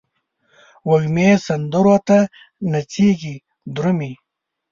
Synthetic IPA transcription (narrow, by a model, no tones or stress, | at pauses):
wɐɡmeːsɐnd̪uɾot̪a | nat͡siːɡi | d̪ɾumi